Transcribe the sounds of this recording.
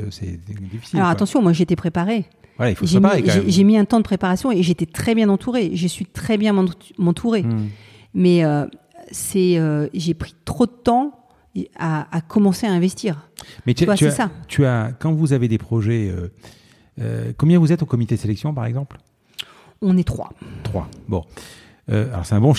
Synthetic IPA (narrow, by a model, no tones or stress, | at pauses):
sɛ̰d̪ifi̥silɔʁat̪ɑ̃sjɔ̃mwaʒet̪ɛpχepaʁe | vwalaifoʒʒempaiʁeʒeʒemiɛ̃t̪ɑ̃d̪əpχepaʁasjɔ̃eʒet̪ɛt̪χɛbjɛ̃nɑ̃t̪ʰuʁeʒəsɥit̪χɛbjɛ̃m̃mɑ̃t̪ʰuʁe | mɛø | sɛøʒepχi̥t̪χod̪ət̪ɑ̃ | aːkʰɔmɑ̃seaɛ̃vɛst̪iːʁmɛt̪twasyɛasat̪ʰyakɑ̃vuzaved̪epχɔʒɛø | ø̰kɔ̃mbjɛ̃vuzɛt̪okɔmit̪ed̪selɛksjɔ̃paʁɛ̰ɡzɑ̃pl | ɔ̃nɛt̪χwa̰t̪χwa̰bɔ̰̃ | ø̰alɔ̰ʁsɛt̪ɛ̃bɔ̃